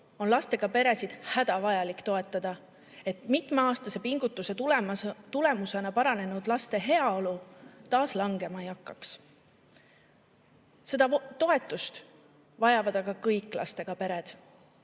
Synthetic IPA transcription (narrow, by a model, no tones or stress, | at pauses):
o̞nlɑst̪e̞ɡ̥ɑpe̞ɾe̞sid̪̥hæd̪̥ɑvɑjɑlikt̪o̞e̞t̪ːˑɑd̪̥ɑ | e̞t̪ˑmit̪ˑmeɑːst̪ɑse̞piŋɡ̥ut̪ːˑuse̞t̪lmt̪ule̞muse̞nɑpɑɾɑne̞nud̪̥lɑst̪e̞ɦe̞ɑo̞lut̪ɑːslɑŋɡe̞mɑjɑkːˑɑks | se̞d̪̥ɑt̪o̞e̞t̪ːˑust̪ | vɑjɑvɑd̪ɑɡ̥ɑkɤjkːˑlɑ̰st̪e̞ɡ̥ɑpe̞ɾe̞d̪̥